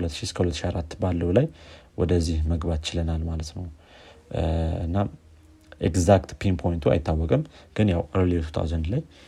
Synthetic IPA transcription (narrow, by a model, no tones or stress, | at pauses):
lət̪ːʃiskʰəhulət̪ːʃiaɾat̪ːbalːəwlajwɔ̰d̪əzːihməɡbat̪t͡ʃɪlənalmalət̪nəw | ɨ̰nːa | ʔeɡzakt̪pʰenpʰo̞jɪnt̪ʰua̰jɪt̪ːawːɔkʼɨmɡ̥ɨnjawɾlet̪ʰu̥t̪ʰa̰wzand̪laj